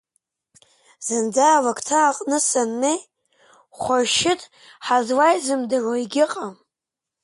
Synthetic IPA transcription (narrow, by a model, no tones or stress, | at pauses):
z̥ɨnd͡zawakʰʼtʰaːqʼnɨsanːej | χʷarʃɪtʼ | ħazwajzɨmdɨroiɡʲɪqʼam